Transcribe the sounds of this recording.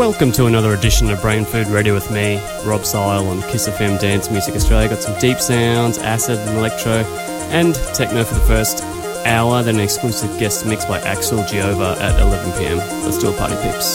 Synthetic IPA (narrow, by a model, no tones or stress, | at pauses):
wɛlˠkɨ̃mtʰəːnʌðə˞ɨdɪʃn̩ɨbɹẽɪ̃nfʉd̚ɹɛɾiwɨðmi | ɹɑb̥saɪlˠə̃nkʰɪsɛfɛ̃mdæ̃nsmjʉzɨkɨstɹ̥eɪlˠjɨɡɑtsʌ̃mdipsãʊ̃ndzæ̰sɨɾɨ̃n̩əlɛk̚tʰɹ̥oʊ | ʔɨ̃ntʰeɪk̚məʊfə˞ðəfɜ˞st | ʔaʊə˞ðɨ̃nɨ̃nɨksklʉsɨvɡɛstmɪksb̥aɪʔæ̰ksəlˠd͡ʒioʊvə˞ʔɨ̰ɾɪ̰lɛvn̩pʰiɛ̰̃m | ə̰stɪ̰lˠpʰɑ̰ɹɾḭv̥pʰɪ̰ps